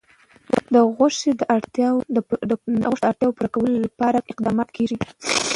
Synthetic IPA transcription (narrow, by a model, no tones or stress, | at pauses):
d̪əɣʊʂed̪əʔaɽt̪j | d̪əɣoʂd̪əaɽt̪jɑwopuɾakawəlolapɑɾaɪqd̪ɑmɑt̪kʰeʒi